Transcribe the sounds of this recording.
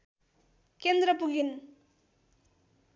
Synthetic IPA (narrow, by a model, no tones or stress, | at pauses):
kend̪ɾəpukin